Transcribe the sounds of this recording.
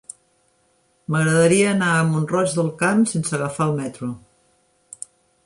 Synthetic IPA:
məɣɾəðəɾiəːnaəmunrɔd͡ʒðəlˠkamsensəɣəfaəlˠmɛt̪ɾu

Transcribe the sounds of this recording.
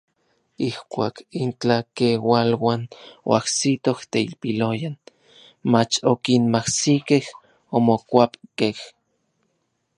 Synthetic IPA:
ihkʷa̰ːkint͡ɬakewalwaːno̰ahsit̪oht̪eilpilojan | mat͡ʃokinmahsikeh | omokʷapkeh

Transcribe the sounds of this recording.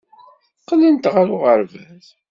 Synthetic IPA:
θqːlənt̪ʁaɾʊʁəɾvæð

